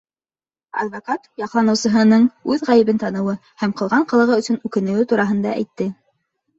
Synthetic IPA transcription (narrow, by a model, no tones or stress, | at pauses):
ɑ̰d̪vokat̪jɑqlˠɑnɤ̆wsɤ̆ɦɤ̆nɤɴʉðʁæjɘ̆βɘnt̪ɑnɤ̆wɤhæmqɤ̆lˠʁɑɴqɤ̆lˠɤ̆ʁɤɵ̆sɵnʉkɘ̆nɘ̆wɘt̪uɾɑɦɤ̆nd̪ɑ̰ʔæ̰jt̪ːɘ